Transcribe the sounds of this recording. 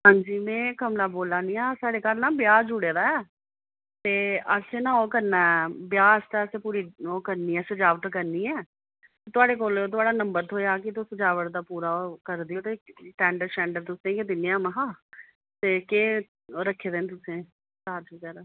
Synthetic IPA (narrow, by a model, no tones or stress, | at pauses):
ɦãːɲd͡ʒiːmɛ̃ːkəmlaːboːlaːniːaːsaːɽeːkalnãːbjaːd͡ʒʊɽeːɾaːɛː | t̪eːəɾseːnãːoːkəɾnaːɛbɪjaːst̪ɛːəseːpuːɾiːoːkəɾniːɛːsəd͡ʒaːʋəʈkəɾniːɛː | t̪eːt̪ʊaːɽeːk̬oːlt̪ʊaːɽaːnəmbəɾt̪ʰoːjaːkɪt̪ʊsəd͡ʒaːʋəʈd̪aːpuːɾaːkəɾd̪iːt̪eːʈɛːɳɖəɾʃɛ̃ːɳɖəɾt̪ʊsẽːked̪ɪnːeaːmaɦãː | t̪eːkeː | ɾəkʰːeːd̪eːnt̪̬ʊsẽː | taːd͡ʒikɛːɾaː